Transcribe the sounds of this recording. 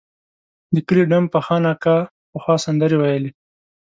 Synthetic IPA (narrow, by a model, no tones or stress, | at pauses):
d̪əkəleɖampaxɑnɑka | pəxwɑsand̪əɾewajəle